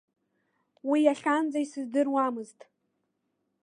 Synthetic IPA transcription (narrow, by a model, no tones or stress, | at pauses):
wijaχʲand͡zaisɨzdɨrwamɨztʼ